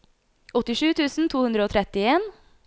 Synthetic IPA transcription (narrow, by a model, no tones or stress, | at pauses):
ɔt̪ɪʂʉːt̪ʰʉːsn̩t̪ʰuːhʉnd̪ɾəoːt̪ʰɾɛt̪ɪeːn